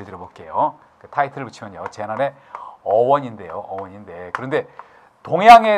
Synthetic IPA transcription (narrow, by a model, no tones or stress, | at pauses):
ɭd͡ʑiɾomok͈e̞jo | ketʰaitʰɯɾɯɭput͡ɕʰimjʌɲot͡ɕe̞naɾe̞ | ʌwʌɲinde̞joʔʌwʌɲinde̞kɯɾʌnde̞ | toŋjaŋe̞